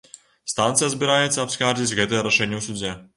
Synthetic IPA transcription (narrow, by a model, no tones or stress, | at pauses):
st̪ant̪sɨjɐzbʲiɾajɛt̪sʲːɐɐpskard͡zʲit͡sʲɣɛt̪ɛjɛɾɐʂɛnʲːɛwsud͡zʲɛ